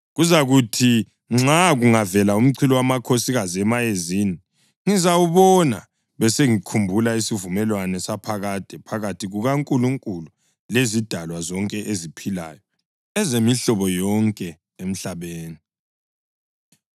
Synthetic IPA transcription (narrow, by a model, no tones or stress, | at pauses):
ɣuzaɣutʰi | ŋ͡ǁaɣuŋavɛlaum̩ǀʰilɔwamakʰosiɣaziɛmajezini | ŋizawuβɔna̰ | βɛseŋikʰumbʱulaisivumɛlwanɛsapʰaɣad̥ʱɛpʰaɣatʰiɣuɣaŋkʼuluŋkʼulu | lezid̥ʱalwazɔŋkʼɛʔezipʰila̰jɔ | ɛzemiɬɔβɔjɔŋkʼɛ | em̩ɬaβeːni